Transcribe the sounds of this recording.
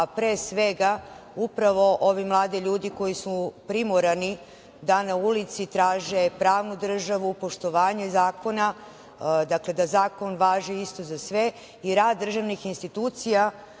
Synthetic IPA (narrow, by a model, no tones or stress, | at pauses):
pɾeːsʋe̞ɡa | upɾaʋo̞ʔo̞ʋimlˠaːd̪iʎuːd̪iko̞jisupɾimoɾani | d̪anaulit̪sit̪ɾaːʒepɾaːʋnud̪r̩ʒaʋupo̞ʃt̪o̞ʋaːɲezaːko̞na | d̪akle̞d̪azaːko̞nʋaːʒiist̪o̞zasʋe̞ | iɾaːd̪d̪ːr̩ʒaʋnixinst̪it̪uːt̪sija